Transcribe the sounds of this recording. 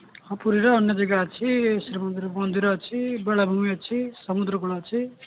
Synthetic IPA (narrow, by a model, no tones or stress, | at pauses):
ʌpuɾiɾʌːnːjʌd͡zʌɡat͡sʰisɾimʌnd̪iɾbʌnd̪ʱiɾʌt͡sʰibeɭabʱumiʌt͡sʰisʌmud̪ɾʌkuɭat͡sʰi